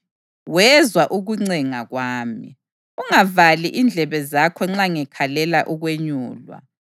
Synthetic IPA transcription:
wɛzwaʔuɣuŋ͡ǀɛŋaɣwaːmḭ | uŋavaliʔind͡ɮʱɛβɛzakʰɔŋ͡ǁaŋɛkʰalɛlaʔuɣweɲuːlwa̰

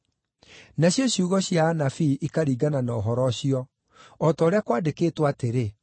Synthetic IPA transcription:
naɕjɔɕjuːɣɔɕiaːnafiʔikaɾiːɡananaɔɦɔɾɔɕiɔ | ɔtɔːɾeakwaːdekeːtwaːteɾe

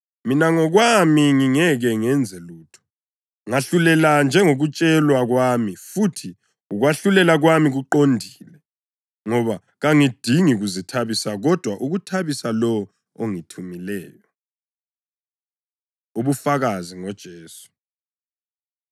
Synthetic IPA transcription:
minaŋɔɣwamiŋiŋɛɣɛŋɛnd͡zʱɛluːtʰɔ̥ | ŋaɬulɛland͡ʒʱɛŋoɣut͡ʃʼɛlwaɣwamifutʰi | uɣwaɬulɛlaɣwamiɣuǃondʱiːlɛ | ŋɔβa | ɣaŋid̥ʱiŋiɣuzitʰaβisaɣɔd̥ʱwaʔuɣutʰaβisalɔ | oŋitʰumilɛːjɔ | uβufaɣaziŋɔd̥ʒ̥ʱeːsu̥

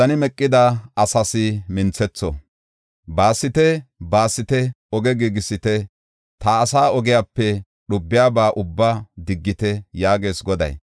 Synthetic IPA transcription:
ɐnɪmɛkʼːɪd̪ɐɐsɐsɪmɪnt͡sːɛt͡sːɔ̰ | baːsːɪt̪ɛbaːsːɪt̪ɛ | ɔɡɛɡiɡɪsːɪt̪ɛ | t̪aːsaːɔɡɪjaːpːɛ | ɗʊbːɪjaːbaːʔʊbːaːd̪ɪɡːɪt̪ɛjaːɡe̞ːsɡɔd̪ɐ̰j

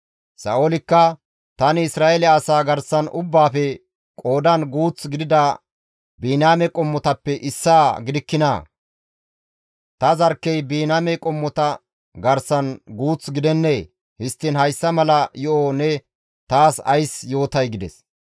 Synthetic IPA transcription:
sɐ̰ʔolɪkːɐ | t̪ɐnɪɪsɾaːelɛɐsaːɡɐɾsɐnʔʊbːaːfɛ | kʼo̞ːd̪ɐnɡuːt͡sɡɪd̪ɪd̪ɐ | biːnaːmɛkʼɔmːɔt̪ɐpːɛʔɪsːaːɡɪd̪ɪkːɪna̰ː | t̪ɐzɐɾkːɛjbiːnaːmɛkʼɔmːɔt̪ɐ | ɡɐɾsɐnɡuːt͡sɡɪd̪ɛnːeː | hɪst̪ːɪnhɐjsːɐmɐlɐjɔʔonɛ | t̪aːsɐ̰jsjo̞ːt̪ɐjɡɪd̪ɛs

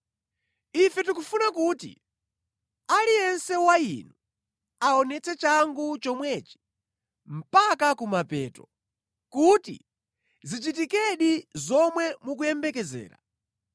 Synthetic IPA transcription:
ifɛtukufunakuːtḭ | aliɛnsɛwaḭnu | aɔnɛt͡sʰɛt͡ʃaŋɡut͡ʃɔmwɛːt͡ʃi̥ | m̩pakakumapɛːtɔ | kutḭ | zit͡ʃit̬ikɛɗizɔmwɛmuk̬ujɛmbɛkɛzɛ̰ːɾa̰

